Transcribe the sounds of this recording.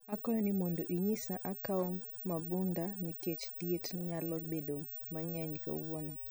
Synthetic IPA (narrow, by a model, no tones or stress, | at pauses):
akɔɔnimɔndɔʔiɲisaʔakaɔmabundanikɛt͡ʃdiɛtɲalɔd͡ʒbɛɗɔmmaɲaɲika̰ṵwɔna